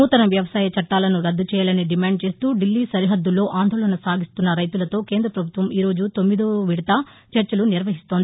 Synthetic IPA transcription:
uːt̪ɐnɐʋjɐʋɐsaːjɐt͡ʃɐʈːaːlɐnuɾɐd̪ːut͡ʃɛːjaːlɐniɖimaːɳɖ̚t͡ʃe̞ːst̪uːɖilːiːsɐɾiɦɐd̪ːulːo̞ːʔaːnd̪oːɭɐnɐsaːɡist̪unːɐɾɐjt̪ulɐt̪o̞ːke̞ːnd̪ɾɐpɾɐbʱut̪ʋɐmiːɾo̞ːd͡ʒut̪omːid̪uʋiɽt̪ɐ | t͡ʃɐɾt͡ʃɐluniɾʋɐɦist̪oːd̪i

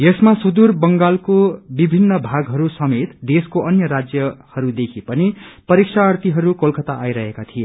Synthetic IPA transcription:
jesmasud̪urbʌŋɡalkobibʱinːʌbʱaɡɦʌɾusʌmet̪d̪eskoʔʌnjʌɾad͡zjʌhʌɾud̪ekʰipʌnipʌɾiksʰaʌrt̪iɦʌɾukolkʌt̪aʔːjɾʌɦekat̪ʰie

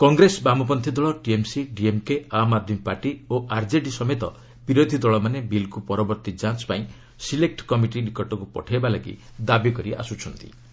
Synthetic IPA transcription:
kɔŋɡɾesbamɔp̬ɔnt̪ʰid̪ɔɭɔʈiemsiɖiemkeamad̪ʱmipaɾʈioʔaɾd͡ʒeɖisɔmet̪ɔ | b̥iɾod̪ʱid̪ɔɭɔmanebilkupɔɾɔbɔɾt̪id͡ʒãt͡ʃɔ̥paĩ | silek̚ʈkɔmiʈinikɔʈɔkupɔ̰ʈʰajbalaɡḭd̪abikɔɾiʔa̰sut͡ʃʰɔnt̪ḭ

